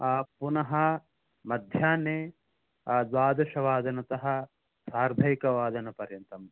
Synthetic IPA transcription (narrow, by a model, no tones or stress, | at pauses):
punɐɦɐ | mɐd̪ʱjaːneː | zaːd̪ɐʃɐʋaːd̪ɐnɐt̪ɐɦɐ̆ | saːɾbʱɐjikɐʋaːd̪ɐnɐpɐɾjɐnt̪ɐm